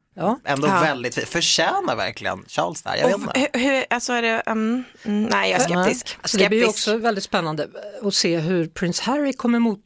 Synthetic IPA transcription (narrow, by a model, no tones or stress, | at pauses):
jɑːʔɛnd̪oːvɛld̪ɪt̪ffœʂɛːnaɾvæ̰ɾklɪ̰ɡə̰nɕɑ̰ːlsd̪æ̰ɾj̰ɛt̪ɛhʉasɔæɖɛ | nɛɪjsɛt̪ɪsklsɔd̪ɛblɪɾjəɔksɔvɛld̪ɪt̪spɛnːand̪əɔseːɦɵɾpʰɾɪnshæɾɪkʰɔmːəɾmuːt̪